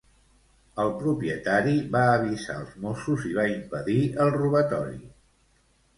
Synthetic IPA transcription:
əlˠpɾupiət̪aɾiβaəβ̞iza̰ə̰lˠzmosuziβ̞aimpəðiəlˠruβət̪ɔɾḭ

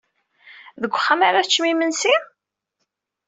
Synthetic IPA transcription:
ðəɡʷːχːamaɾat͡ʃːmimənsi

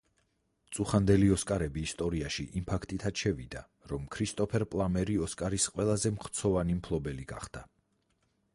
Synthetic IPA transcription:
t̪sʼuχand̪ɛliɔskʼaɾɛbiːst̪ʼɔɾiaʃiʔimpʰakʰt̪ʼit̪ʰat̪ʃɛvid̪a | ɾɔmkʰɾist̪ʼɔpʰɛɾpʼlˠamɛɾiɔskʼaɾisqʼwɛlˠazɛmχt̪sʰɔvanimpʰlˠɔbɛliɡa̰χd̪̥a

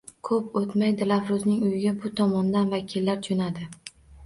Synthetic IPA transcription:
kʰɵpot̪majd̪ɪlavɾʊznɪŋʊjɪɡʲabʊt̪ʰɒmɒnd̪anvakʲʰɪlːaɾt͡ʃ̪ʰonad̪ɪ

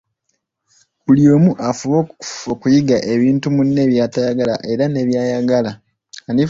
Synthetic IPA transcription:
kuljo̞ːmuʔafuβo̞okujiɡaʔe̞βiːntumunːe̞βjaːtajaɡala̰ʔe̞ɾane̞βjaːjaɡala | ani

